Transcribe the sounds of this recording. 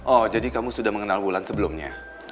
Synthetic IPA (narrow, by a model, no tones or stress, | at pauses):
ʔɔd͡ʒadikamusudahməŋənalbulansəbəlʊmɲa̰